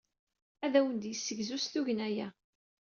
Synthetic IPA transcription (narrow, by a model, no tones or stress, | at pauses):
æðæwənd̪jəsːəʝzusθuʝənæjæ